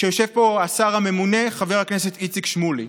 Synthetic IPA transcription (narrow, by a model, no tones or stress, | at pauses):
ʃejoʃe̞vpo̞asaʁame̞mune̞χaveʁhaknese̞t̪it͡sikʃmuli